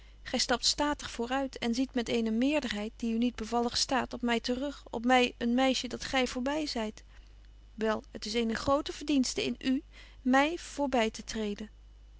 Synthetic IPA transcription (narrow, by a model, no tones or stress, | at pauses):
χɛjstɑp̚tstaːtəχfʊːrœɥtʰɛnzitmɛtejnəmɪːɹdəɹɦɛjt̚d̥iynid̚bəvɑlˠəχstaːtɔp̚mɛjtərɵχɔ̰p̚mɛjənmɛjʃədɑtχɛjvʊːɹbɛjzɛjt | ʋɛlˠətɪsejnəχrowtəv̥əɹdinstəɪ̰ny | mɛjv̥ʊːɹbɛjtətrejdən